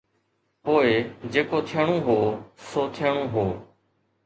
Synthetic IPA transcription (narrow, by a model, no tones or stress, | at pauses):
poːɪd͡ʒeːkoːt̪ʰɪjəɳ̃õːɦoːsoːt̪ʰɪjəɳ̃õːɦoː